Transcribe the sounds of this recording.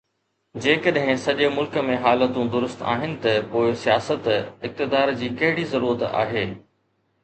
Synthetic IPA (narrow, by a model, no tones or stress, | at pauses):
d͡ʑeːkɐɗɦɪ̃sɐʄemʊlkə̆mẽɦaːlət̪ũd̪ʊɾʊst̪a̰ːɦɪnɪ̆t̪ɐpoːɪsijaːsət̪ɪk̚t̪ɪd̪aːɾd͡ʑiːkɐɦɪɽizɐɾuːɾət̪a̰ːɦeː